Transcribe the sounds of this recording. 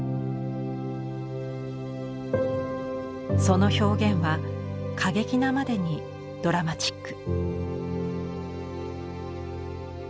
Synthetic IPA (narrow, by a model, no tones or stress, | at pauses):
so̞no̞ço̞ːɡẽ̞ɰ̃βakʰaɡe̞kʲinamad̪e̞ɲ̟i | d̪̥o̞ɾamat͡ɕi̥kːɯ̥